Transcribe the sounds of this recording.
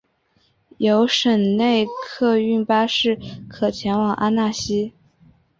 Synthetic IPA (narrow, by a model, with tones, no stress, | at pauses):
jo˧˥ʊʂə˨˩ŋne˥˧ɪkʰɤ˥˧y˥˩npa˥ʂɻ̩˥˩kʰɤ˨˩t͡ɕʰjɛ˧˥nwɑ˨˩˦ŋʔa˥na˥˩ɕi˥